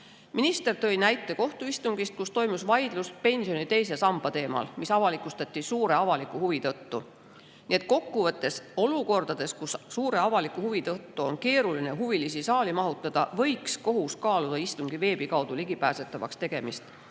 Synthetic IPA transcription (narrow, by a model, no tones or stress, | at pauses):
minist̪e̞rt̪ɤ̞jnæjt̪ːˑe̞ko̞ht̪uist̪uŋɡ̥ist̪̚kust̪o̞jmusvɑjd̪luspe̞nʲsio̞nit̪e̞jsesɑmb̥ɑt̪e̞ːmɑ̰lmisɑvɑlikˑust̪ɑt̪ʲːˑisuːɾe̞ɑvɑlikːˑuhuvit̪ɤt̪ːu | nie̞t̪̚ˑko̞kːˑuvɤt̪ːˑe̞so̞luko̞rd̪̥ɑd̪̥e̞skussuːɾe̞ɑvɑlikˑuhuvit̪ɤt̪ːuo̞nke̞ːɾulineɦuvilisisɑːlimɑɦut̪ːˑɑd̪̥ɑvɤ̞jksko̞ɦuskɑːlud̪ɑist̪uŋɡ̥ive̞ːb̥ikɑwd̪̥uliɡ̥ipæːse̞t̪ːˑɑvɑ̰kst̪e̞ɡ̥e̞mist̪